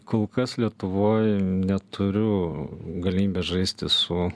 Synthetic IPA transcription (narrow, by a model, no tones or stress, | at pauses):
koːlˠkɐslʲiɛt̪ʊʋoːjnʲɛt̪ʰʊɾʲʊɡɐlʲɪmʲiːbʲɛsʒɐɪsʲt̪ʲɪsʊ